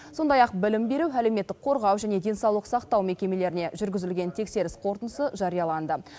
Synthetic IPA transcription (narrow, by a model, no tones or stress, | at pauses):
so̞nd̪ɑjɑq̚bɪlɪmbe̞ɾuwæle̞wme̞t̪ːɪk̚qʰo̞ɾʁɑwʒæne̞d̪e̞nsɑwlˠəqsɑqt̪ɑwme̞kʲe̞me̞le̞ɾɪne̞ʒʏɾɡʲɪzɪlɡʲe̞nt̪ʰe̞kse̞ɾɪsqʰo̞ɾt̪ənəsəʒɑɾijɑlˠɑnd̪ə